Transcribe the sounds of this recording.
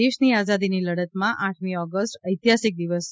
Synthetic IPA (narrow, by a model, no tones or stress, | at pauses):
eʃniad͡ʒad̪iniləɽət̪mãʔaʈʰmiɔɡəsʈəjt̪jasik̚d̪iʋəs